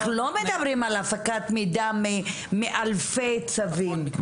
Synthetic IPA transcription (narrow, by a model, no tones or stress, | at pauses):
χulomed̪ɐbʁimalafakat̪mid̪ame | meʔalfejt͡savim